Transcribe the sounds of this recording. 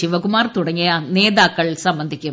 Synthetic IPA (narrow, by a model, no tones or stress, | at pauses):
ɪʋɐkʊmaːɾt̪ʊɽɐŋɡɐjaːneːðaːkːɐɭsɐmbɐnd̪ʱɪkʲːɯm